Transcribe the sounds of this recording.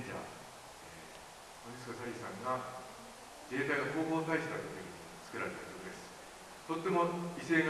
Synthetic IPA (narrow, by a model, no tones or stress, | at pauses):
d͡ʑa̰ | e | koɲisɨ̥kasaɾʲisãŋɡa | ɡe̞ːt̪ainoko̞ːɦoːnit̪aiɕɨ̥t̪ak̪okʲeɲ̟i | t͡sɨ̥kɯ̟ɾaɾe̞t̪ajod̪e̞sɨ̥ | t̪ot̪ːe̞mo̞ise̞ːŋ